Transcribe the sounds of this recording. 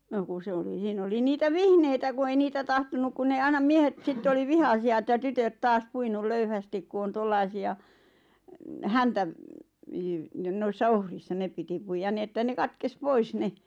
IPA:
no ku sĕ oli siːn oli niːtæ ʋihneitæ ku ei niːtæ tɑhtonuk kun neː ɑinɑm miehet sitːe oli ʋihɑsiɑ etːæ tytøt tɑːs puinul løyhæstik ku on tolːɑisiɑ hæntæʋ jyʋ n̆ĕn̆ noisːɑ ohrisːɑ nep piti puijɑn ni etːæ ne kɑtkes pois ne

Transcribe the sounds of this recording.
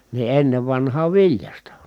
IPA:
ni enːeʋ ʋɑnhɑːʋ ʋiljɑstɑ

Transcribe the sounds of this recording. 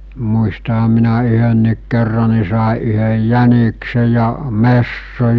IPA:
muistɑhɑm minæ yhønːiːk kerːɑ ni sɑˑe ʔyhəj jænikse jɑ mesːo

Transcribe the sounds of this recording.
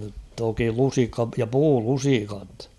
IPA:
nyt toki lusikːɑ jɑ puːlusikɑt

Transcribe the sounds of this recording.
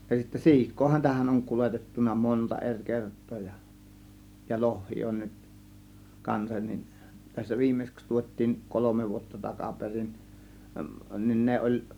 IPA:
jɑ sitːæ si̞ikˑoːhɑn tæhæn oŋ kuletetːunˑɑ montɑ er kertˑoː jɑ jɑ lohːiː on nyt kɑnsɑn nin tæsːæ ʋiːmːeĭsĕks tuot̆ʲtiːn kolome ʋuotːɑ tɑkɑperin nin ne olʲ

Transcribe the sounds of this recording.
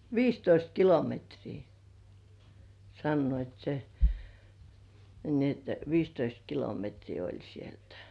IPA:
ʋiːstoist kilometriː sɑnːoit se ni et ʋiːstoist kilometriː olʲ sieltæ̥

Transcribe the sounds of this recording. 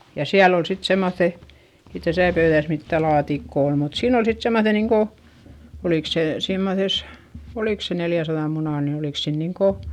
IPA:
jɑ siæl ol sit semːoθːe ei tæsæˑ pøyðæs mitːæ lɑːtikːo ol mut siːn ol sit semːoθe niːŋko oliˑk se simːoses oliˑk se neljæsɑðɑm munɑˑn ni oliˑk se niːŋko

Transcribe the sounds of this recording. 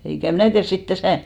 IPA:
eikæ mnæˑ tiærs sit tæsæˑ

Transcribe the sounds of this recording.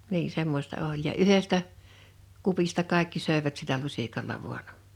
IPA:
niː semːostɑ olʲ jɑ yhestæ kupistɑ kɑˑekːi søˑe̝ʋæt silːæ lusʲikɑlːɑ ʋuɑn

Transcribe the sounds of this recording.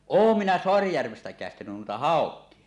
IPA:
oˑum minæ soɑrijærʋestæ kæˑestænyn nuitɑ hɑˑokˑie

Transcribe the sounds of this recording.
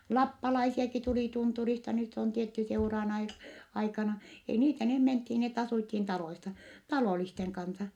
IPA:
lɑpːɑlɑisiɑki tuli tunturistɑ nyt on tietːy seurɑːn ɑi ɑikɑnɑ ei niːtæ neh menthin net ɑsuˑthin tɑloisɑ tɑloˑlisteŋ kɑnsɑ

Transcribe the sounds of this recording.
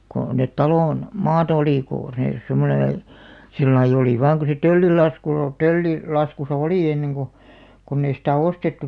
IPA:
ko net tɑloˑn mɑːtɑ̆ oliˑ koˑ neˑ semːonẽː silːɑij̆ oliˑ ʋɑːŋ ko se tølːil lɑskul o tølːi lɑskusɑ oliˑ enːeŋ ɡ̊o konː ei sitæˑ ostetːu

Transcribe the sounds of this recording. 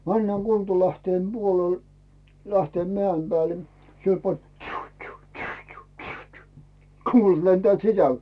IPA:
mænːæːŋ kultɑlæhteːm b̥uolel læhteːmːĕæˑim b̥æːle siel pɑn ĕt̆ tʃy̹ː tʃy̹ː tʃy̹ː tʃy̹ː tʃy̹ː tʃy̹ː kuːlɑt lentĕæˑt sisæl

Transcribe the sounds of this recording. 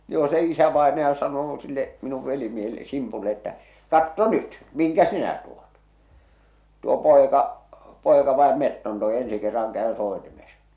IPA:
joː se isæʋɑenɑjɑ sɑnoː silːe minuʋ ʋelimiehelˑĕ simpulːe etːæ kɑtːo nyt miŋkæ sinæ tuo̥t tuo poˑekɑ poˑekɑ ʋɑem metːon toe ensi kerːɑŋ kæø soˑetimes

